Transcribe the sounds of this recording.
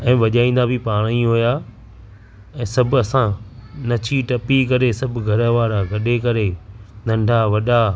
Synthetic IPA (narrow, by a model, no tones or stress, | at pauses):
ɛ̃ːʋɐʄaːĩːn̆d̪abʱipaːɽ̃iɦojaː | ɛ̃ːsɐbɐsãnɐt͡ɕʰiʈɐpikɐɾesɐbʱɡʱɐɾə̆ʋaːɾaɡʱɐɗekɐɾenɐ̃ɳɖʱaʋɐɗa